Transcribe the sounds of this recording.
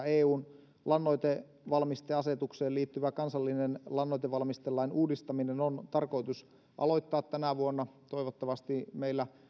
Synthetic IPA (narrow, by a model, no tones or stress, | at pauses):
eːuːn | lɑnːoit̪e | ʋɑlmist̪eɑset̪ukseːliːt̪ːyʋækɑnsɑlːinenlɑnːoit̪eʋɑlmist̪elːɑinuːdist̪ɑminenont̪ɑrkoit̪us | ʔɑ̰loit̪ːɑːt̪tænæʋuonːɑt̪o̞iʋot̪ːɑʋɑst̪imeilːæ